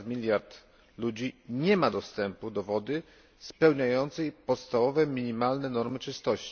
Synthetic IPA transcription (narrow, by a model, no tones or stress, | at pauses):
mʲilʲjaɾt̪ | lud͡ʑiɲɛmad̪ɔst̪ɛmpud̪ɔvɔd̪ɘ | spɛwɲajɔnt̪sɛjpɔt̪st̪avɔvɛmʲiɲimalnɛnɔɾmɘt͡ʂɘst̪ɔɕt͡ɕi̥